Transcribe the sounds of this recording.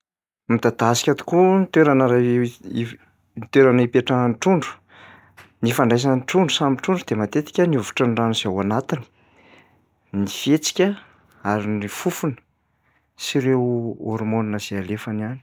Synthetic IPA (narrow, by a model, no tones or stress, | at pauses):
mid̪ad̪asi̥kʲat̪u̥kunit̪eɾanəɾai | nit̪eɾanipeʈ͡ʂanʈ͡ʂuɳɖ͡ʐu̥ | nifaɳɖ͡ʐajs̬anʈ͡ʂuɳɖ͡ʐusamiʈ͡ʂuɳɖ͡ʐud̪emat̪et̪i̥kʲəniuvu̥ʈ͡ʂənɖ͡ʐaniz̥awanat̪ini̥ | nifet͡si̥kʲə | aɾinifufunə̥ | siɾewoɾmoninəzealefaniani̥